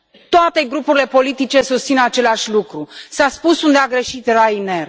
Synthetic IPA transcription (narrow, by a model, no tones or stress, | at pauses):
t̪oat̪e̞ɡɾupuɾile̞po̞lit̪it͡ʃe̞sust̪sinat͡ʃe̞laʃʲlukɾusaspusund̪eaɡɾeʃit̪rajne̞r